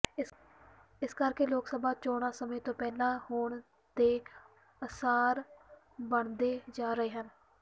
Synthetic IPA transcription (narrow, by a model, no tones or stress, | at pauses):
ɪskəɾkeːloːksəbaːt͡ʃɔːɽ̃aːsəmẽːt̪õːpɛːlãːhoːɳ | d̪eː | əsaːɾ | bəɳd̪eːd͡ʒaːɾəɦeːɦən